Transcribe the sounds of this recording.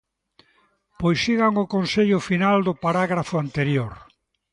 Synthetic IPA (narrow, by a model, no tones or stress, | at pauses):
pojsːiɣaŋʊkonseʎʊfinald̪ʊpaɾaɣɾafʊant̪eɾjoɾ